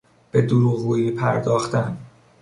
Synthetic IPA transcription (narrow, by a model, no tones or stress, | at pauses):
b̥e̞d̪oɾuɣuːiːpʰæɾd̪ɒːxt̪æn